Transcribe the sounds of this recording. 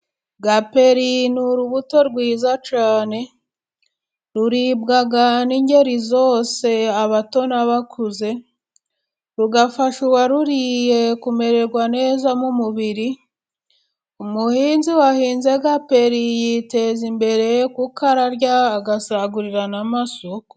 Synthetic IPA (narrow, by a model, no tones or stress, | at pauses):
ɡape̞ɾinuɾuβuto̞ɾɡwiːzat͡ʃaːne̞ | ɾuɾibɡaɡaniɲɟe̞ɾizo̞ːse̞aβato̞naβakʰuze̞ | ɾuɡafaʃuwaɾuɾije̞kume̞ɾe̞ɾɡwane̞ːzamumuβiɾi | umuhiːnziwahiːnze̞ɡape̞ɾijite̞zimbe̞ɾe̞kukaɾaɾɟaːɡasaɡuɾiɾanamasoko̥